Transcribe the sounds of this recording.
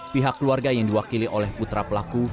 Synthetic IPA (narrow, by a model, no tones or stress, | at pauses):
piɦakːəluarɡajaŋdiwakiliʔolɛhput̪ɾapəlaku